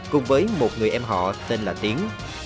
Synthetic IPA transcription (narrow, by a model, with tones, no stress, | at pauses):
kʊ̰˨˩ŋ͡mvəː˨˦jmo˨˩t̚ŋɨ˨˩əjʔɛ˧mɦɔ̰˧˨t̪e˧nlaː˨˩t̪i˨˦əŋ